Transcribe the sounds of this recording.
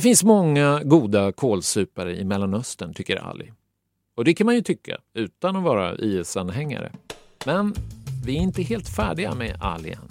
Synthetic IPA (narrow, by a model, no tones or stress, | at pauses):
dd̪ɛfɪnsmɔŋːaɡuːd̪akʰoːlsʉːpaɾəʔɪmɛlːanœst̪ənt̪ʰʏkːəɾa̰lːɪ | ɔd̪ɛkʰanmanjɵt̪ʰʏkʰːa̰ʉ̟ːt̪anɔvɑːɾa̰ʔiːɛsanɦɛŋːa̰ɾə̰mɛnvɪæɾɪnt̪əɦeːlt̪fæːɖɪɡa̰mɛʔa̰lɪ̰ə̰n